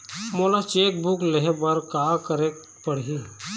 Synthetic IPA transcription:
moːlat͡ʃeːk̚bʊkleɦebəɾkaːkəɾe | pəɽ̤ɦi

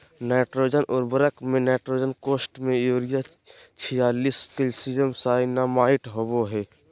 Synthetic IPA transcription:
nɛːʈɾoːd͡ʒənɔːɾbəɾəkmẽnɛːʈɾoːd͡ʒənkoːsʈmẽjoːɾɪja | t͡ʃʰijaːliːskelsiːzəmsaːinamaːɪʈɦoːboɦɛː

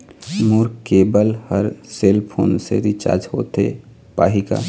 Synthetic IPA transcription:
muːɾkeːbəlhəɾselpʰoːnseɾit͡ʃa̰ːɾd͡ʒhoːt̪ḛ | paːɦika̰

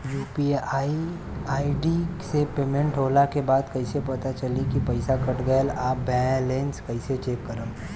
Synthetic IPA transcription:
juːpiai | aːiɖisepeːmẽɳʈɦoːlakebaːd̪kɐɪsepɐt̪at͡ʃɐlikipɐɪsakɐʈɡəjəlaːpbɛlẽːnskɐɪset͡ʃeːkːəɾəm

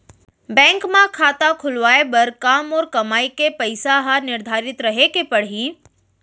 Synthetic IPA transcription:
bɛ̃ːŋkmãkʰaːt̪akʰʊlʋaːebɐɾkaːmɔːɾkɐmaːikepəɪsaɦanɪɾd̪ʱaːɾɪt̪ɾɐɦekepɐɽ̤iː

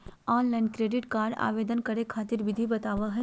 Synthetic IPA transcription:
aːnlaːɪnkɾeːɖɪʈkaːɾɖa̰ːʋeːd̪ənkɐɾekʰaːt̪ɪɾʋɪd̪ʱibɐt̪aːʋaɦɛ

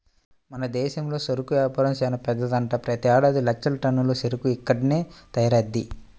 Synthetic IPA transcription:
mɐnɐd̪ɛːʃɐmlo̞ːsɐɾukuaːpɐɾɐmsɛːnɐpɛd̪ːɐd̪ɐɳʈɐpɾɐt̪iaːɽaːd̪ilɐk̚t͡ʃɐlɐʈɐnːuloːseɾukuikːɐɽine̞ːt̪ɐjɐɾɐd̪ːi

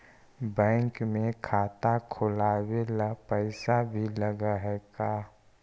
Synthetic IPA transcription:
bɛ̃ːŋkmẽkʰaːt̪akʰʊlaːwelapəɪsabʱiləɡaɦɛkaː

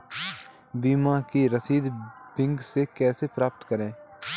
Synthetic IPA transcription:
biːmãːkiːɾəsiːd̪bɪŋɡseːkɛːseːpɾaːpət̪kəɾẽː

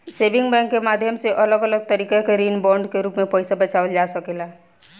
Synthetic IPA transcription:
seːʋɪ̃ŋɡbɛ̃ːŋkːemaːd̪ʱjəmseʔɐləɡələɡ̚t̪əɾiːkekeɾiːnbɔ̃ːɳɖkeɾuːpmẽpɛɪsabɐt͡ʃaːʋəld͡ʒaːsəkeːla

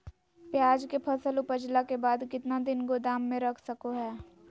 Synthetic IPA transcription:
pjaːd͡ʒkepʰɐsəlʊpəd͡ʒlakebaːd̪kɪt̪nad̪ɪnɡod̪aːmːẽɾɐkʰsɐkoɦɛː

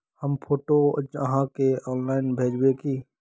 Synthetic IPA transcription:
həmpʰoːʈod͡ʒəɦãkeɔːnlaːɪnbʱeːd͡ʒbeki

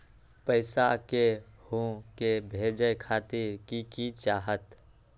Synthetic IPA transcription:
pəɪsakehõkebʱeːd͡ʒəjkʰaːt̪ɪɾkikit͡ʃaːɦət̪

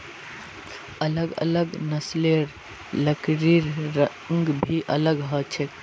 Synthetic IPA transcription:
ələɡə̰ləɡnəsleɾ | ləkɾiɾɾə | ŋɡbʱiʔələɡɦət͡ʃʰek

